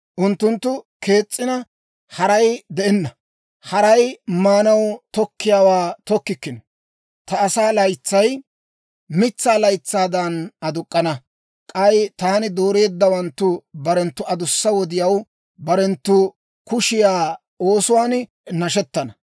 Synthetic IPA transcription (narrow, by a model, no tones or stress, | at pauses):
ʔʊnt̪ːʊnt̪ːʊkʰe̞ːt͡sʼːɪnɐ | hɐɾɐjd̪ɛʔɛnːɐ | hɐɾɐjmaːnɐwt̪ɔkːɪjaːwaːt̪ɔkːɪkːɪnɔ | t̪ɐːsaːlɐjt͡sːɐj | mɪt͡sːaːlɐjt͡sːaːd̪ɐnɐd̪ʊkʼːɐnɐ | kʼɐjt̪aːnɪd̪o̞ːɾe̞ːd̪ːɐwɐnt̪ːʊbɐɾɛnt̪ːʊɐd̪ʊsːɐwɔd̪ɪjɐw | bɐɾɛnt̪ːʊ | kʊʃɪjaː | o̞ːsʊwaːn | nɐʃɛt̪ːɐnɐ